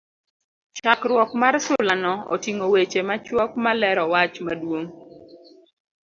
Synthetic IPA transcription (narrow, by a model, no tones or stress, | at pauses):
t͡ʃakɾwɔkmarsʊlanɔo̰tiŋowet͡ʃemat͡ʃwɔkmalɛɾɔwat͡ʃmadwoŋ